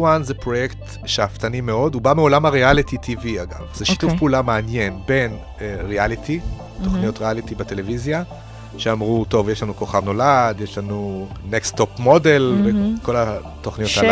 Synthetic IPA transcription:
wanzepʁo̞jekt̪ | ʃeaft̪animeo̞dubameo̞lamhaʁealititʰiviaɡa̰vz̥eʃi̥tufpuulameanje̞nbe̞n | eʁealitʰi | to̞χnijo̞tʁealitibete̞le̞vizja | ʃeamʁuto̞vjeʃlanuko̞χavno̞ladjeʃlanunekst̪o̞pmo̞de̞lvekʰo̞la | t̪o̞χnijo̞ta

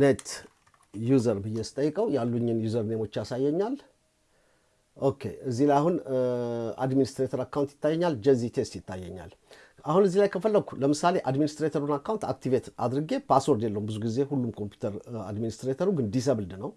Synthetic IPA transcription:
net̪ | juzəɾbɨjːɛst̪ʼəjːɨkʼəwjalːuɲːɨnjuzəɾnemo̞t͡ʃːasajːɛɲːal | ʔo̞kʰːe̞̰ɨzːilajahun | a̰d̪minist̪ɾet̪ʰəɾakːawnt̪jɪ̥t̪ːajːɛɲːald͡ʒəzit̪ʰest̪jɪt̪ʰːajːɛɲːa̰l | ahunɨzːilajkʰəfəlːəɡ̚kʰuləmɨsale̞ʔad̪minist̪ɾet̪ʰəɾunakːawnt̪ʰak̚t̪ʰivet̪a̰d̪ɾɨɡe̞pʰaswo̞ɾd̪jelːəhumbɨzuɡize̞hulːumkʰo̞mpʰju̥t̪ʰəɾa̰d̪minist̪ɾet̪ʰəɾuɡɨnd̪is̬əβɨld̪nəw

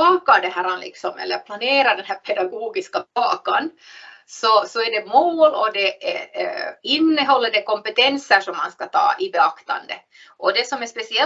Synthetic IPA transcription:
ɑːkad̪ɛɦæɾɑnlɪ̰ksɔmɛ̰lːə̰ɾpʰlaneːɾɑd̪ɛnɦæɾpʰɛd̪ɑɡuːɡɪskabɑ̰ːkan | sɔsɔæɖɛmoːlɔd̪ɛɛ | ɪnːəɦɔlːəɖɛkɔmpɛt̪ɛnsəʂɔmːanskɑt̪ʰɑ̰ːʔɪbɛɑkt̪ɑ̰nd̪ə | ʔɔd̪ɛsɔmɛspɛsɪɛ

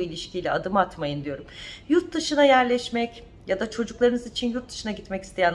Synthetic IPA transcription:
uilʲiʃcʰijlʲɛad̪ɯmat̪majɯnd̪yjo̞ɾumjuɾt̪̚d̪ɯʃɯnajæɾlʲɛʃmɛc | jad̪at͡ʃʰo̞d͡ʒuklˠaɾɯnɯzit͡ʃʰinjuɾt̪̚d̪ɯ̥ʃɯnaɟit̪mɛcist̪ʰe̞jæn

